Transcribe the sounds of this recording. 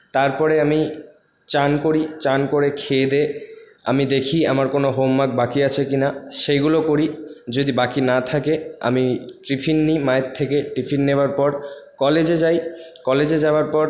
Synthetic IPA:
t̪aɾpɔɾeami | t͡ɕankoɾit͡ɕankoɾekʰed̪e | a̰mid̪ekʰiamaɾkonoɦomːak̚bakiat͡ɕʰekinaʃeɡulokoɾid͡ʑod̪ibakinat̪ʰakea̰miʈɾifʰinːimaet̪ʰːekeʈɾifʰinːebaɾpɔɾkɔled͡ʑed͡ʑajkɔled͡ʑed͡ʑaoaɾpɔɾ

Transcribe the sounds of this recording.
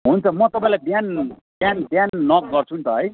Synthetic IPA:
ɦunt͡sʰʌmʌt̪ʌpãĩlabjanbjanbjanːʌk̚ɡʌrt͡sʰunt̪ʌɦʌj

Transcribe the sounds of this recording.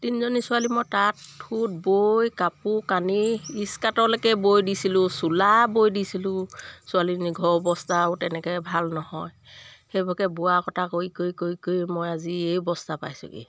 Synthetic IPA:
tinzonisʊalimojtatʰːut̚bojkapukaniːskatɔlɛkɛbojdisilʊsulabojdisilʊ̃sʊaliniɡʱɔɹɔbɔstaʊtɛnɛkɔbʱalnɔhɔj | xejbɔkɛbʊakɔtʰakoikojkojkojmɔjaziejɔbɔstapa̰jsʊ̰kḭ

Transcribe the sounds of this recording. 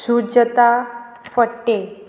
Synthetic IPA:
sud͡ʑət̪a | fəʈːe

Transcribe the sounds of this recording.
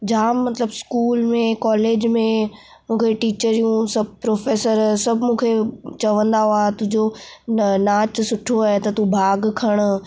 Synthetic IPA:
d͡ʑaːmːɐt̪ləbskuːlmẽkɔːleːd͡ʑmẽ | mũːkʰeʈiːt͡ɕəɾijũsɐbʱpɾoːfeːsəɾsɐbʱmũːkʰet͡ɕɐʋə̃nd̪aɦoaːɦt̪ʊɦd͡ʑo | naːt͡ɕsʊʈʰoaːɦet̪ɐt̪ubʱaːɡkʰɐɽ̃

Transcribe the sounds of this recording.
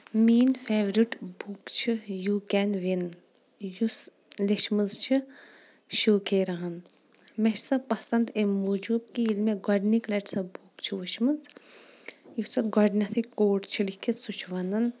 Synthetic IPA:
miːnfeːʋɾiʈbukt͡ʃʰijuːkɛnʋin | jus | liʃmɨnzt͡ʃʰi | ʃuːkeːɾɐɦɐn | mɛʃsɐpɐsɐnd̪emud͡ʒub̚kiilmeɡɔɖniklɐʈsɐbʱukt͡ʃʰiʋuʃmɨnz | jusɐɡɔɖnɐt̪ʰikːoːʈt͡ʃʰilikʰisut͡ʃʰʋɐnɐn

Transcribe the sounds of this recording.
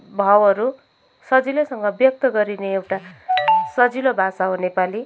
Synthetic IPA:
bʱʌwʌɾu | sʌd͡zilosʌŋɡʌbjʌk̚t̪ʌɡʌɾineewʈa | sʌd͡zilobʱasaɦonepali

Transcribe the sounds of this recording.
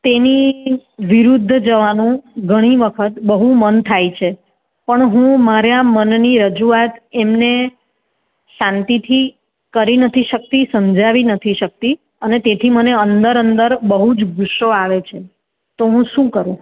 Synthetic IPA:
t̪eni | ʋiɾud̪ʱːd͡ʒəʋanũɡʱəɽ̃iʋəkʰət̪bəɦumənt̪ʰajt͡ʃʰe | pəɳɦũmaɾjamənniɾəd͡ʒuat̪emne | ʃãnt̪it̪ʰi | kəɾinət̪ʰiʃək̚t̪isəmd͡ʒaʋinət̪ʰiʃək̚t̪i | ənet̪et̪ʰiməneənd̪əɾənd̪əɾbəɦud͡ʒɡʱuʃːoaʋet͡ʃʰe | t̪oɦũʃũkəɾũ

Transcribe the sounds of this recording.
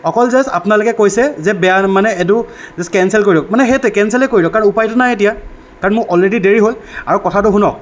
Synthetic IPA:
ɔkɔlzɛsa̰pʊnalʊkɛkojsɛzɛbɛjamanɛɛdʊzɛskɛnsɛlk̬oɹidɔk̚manɛɦetʊkɛnsɛlɛkoɹidɔkːaɹɔnupajtʊnajet̬ija | kaɹɔnmʊɹʔɔlɹedideɹiɦolaɹukɔtʰatʊɦunɔk̚

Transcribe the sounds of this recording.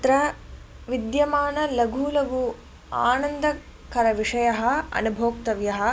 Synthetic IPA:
t̪ɾɐ | ʋid̪jɐmaːnɐlɐɡʱuːlɐʋu | a̰ːnɐnd̪ɐ | kɐɾɐʋiʂɐjɐɦɐ̆ɐ̰nubʱoːk̚t̪ɐʋjɐɦɐ̆

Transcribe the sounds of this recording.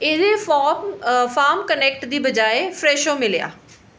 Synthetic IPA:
ɪd̪efɔːmfaːɾmkənɛːk̚ʈd̪iːbəd͡ʒaːefɾɛːʃõːmɪlja̰ː

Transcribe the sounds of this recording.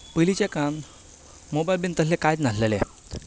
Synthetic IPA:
pəlit͡ɕekãn | mobajlbint̪əsekajd͡z̪naslelḛ

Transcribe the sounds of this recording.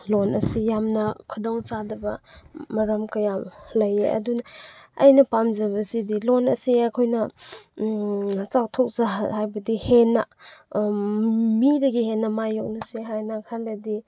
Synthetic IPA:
lɔnʔɐ̰sijamnɐkʰɐdoŋt͡ʃadɐbɐmɐɾɐmkɐjalɐjeʔɐ̰dunɐːjnɐpamzɐβɐsidilɔnɐsiajkʰojnɐ | t͡ʃak̚tʰɔk̚zahajbɐdihena | midɐɡihenːɐmajɔk̚nɐseɦajnakʰaledi

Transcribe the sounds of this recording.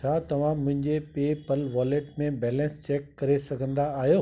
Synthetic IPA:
t͡ɕʰaːt̪ɐʋ̤ãmʊ̃ɦɪ̃ɲd͡ʑepeːpəlʋaːleːʈmẽbɛːlɛ̃nst͡ɕɛːkːɐɾesɐɡʱə̃nd̪aːɦijoː

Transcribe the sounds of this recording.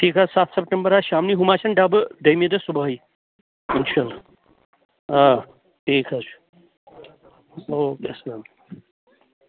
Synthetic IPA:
ʈʰiːkasat̪ʰsəp̚ʈembəɾaɕamniɦumat͡ɕɐɳɖabd̪əjmid̪əsubʱai | inɕala | a | ʈʰiːkʰas | okesnam

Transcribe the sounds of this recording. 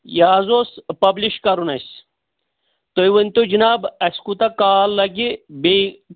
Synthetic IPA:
jaːzospɐbliʃkɐɾunɐs | t̪ojʋɐnʲt̪od͡ʒinaːbɐsʲkut̪ɐkaːlːɐɡibe

